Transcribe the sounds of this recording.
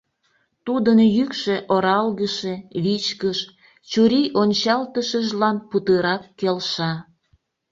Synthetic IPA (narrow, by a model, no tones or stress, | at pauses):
t̪ud̪ənjykʃeʔoɾɑlɣəʃeβit͡ɕkəʃ | t͡ɕuɾiʔonʲt͡ɕɑlt̪əʃəʒlɑnput̪əɾɑkːelʃɑ